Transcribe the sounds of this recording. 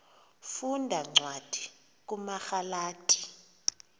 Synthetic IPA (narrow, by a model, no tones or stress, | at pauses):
fundʱaŋ͡ǀwad̥ʱi | k̬ʼumaxalaːtʰʼi̥